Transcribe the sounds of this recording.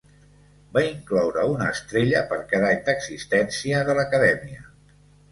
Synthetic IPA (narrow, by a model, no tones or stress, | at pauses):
baiŋklɔwɾəunəːst̪ɾeʎəpəɾkaðaʎd̪əɡzist̪ɛnsiəðələkəðɛmiə̰